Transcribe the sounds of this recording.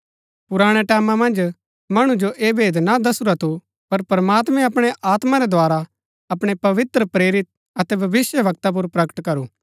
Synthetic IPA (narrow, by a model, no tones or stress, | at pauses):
pʊɾaːɽ̃ɛʈɛːmãmɐ̃nd͡ʒ | mɐɽ̃ũd͡ʒoʔeːbʱeːd̪nad̪ɐsuɾat̪ʰu | pɐɾpɐɾmaːt̪mɛ̃ɐpɽ̃eʔʔaːt̪maɾɛd̪ʱoaːɾa | ɐpɽ̃epɐʋɪt̪ɾəpɾeːɾɪt̪̚ | ɐt̪ɛbʱɐʋɪsjəʋʱɐk̚t̪ap̬ʊɾpɾɐkə̥ʈkɐɾuː